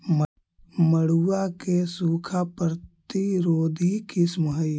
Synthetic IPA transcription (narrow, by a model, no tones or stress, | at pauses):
m | məɽ̤uakesuːkʰapɾt̪iɾoːd̪ʱikismɦəj